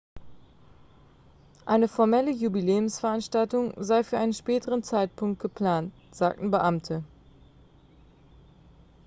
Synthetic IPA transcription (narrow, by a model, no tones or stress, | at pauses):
ʔaɪnəfɔɐmɛləjubileːʊmsfɛɐʔanʃtaltʊŋzaɪfyːɐʔaɪnənʃpɛːtəʁənt͡saɪt̚pʰʊŋk̚t̚ɡ̥əpl̥aːnt | z̥a̰ːk̚tn̩bəʔamtʰə